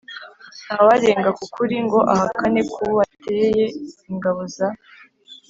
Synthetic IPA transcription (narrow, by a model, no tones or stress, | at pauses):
nhawaɾe̞ːŋɡakukuɾiŋɡo̞ʔahakane̞kʰuβateje̞iŋɡaβoza